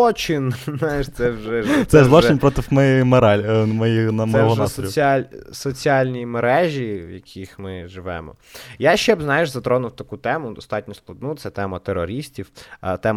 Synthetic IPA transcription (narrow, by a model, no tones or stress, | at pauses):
ɔt͡ʃɪnnajɪʃt̪sɛwʒɛsɛzlˠɔt͡ʃɪnʲpɾɔt̪ɪwmɛmeɾɑlʲmɔjinɐmɛɔʒɛsɔsʲialʲsɔt͡sʲiɑlʲnʲijimeɾɛʒʲiwjɐkʲʰixmɪʒɪʋɛ̰mɔ̰ | jaʃɛbznɑjɪʒzɐt̪ɾɔnʊwt̪ɐkut̪ɛmʊd̪ɔst̪ɑtʲnʲɔsplˠɐd̪̚nut̪ɛt̪ɛmɐt̪eɾɔɾʲisʲtʲiwt̪ɛm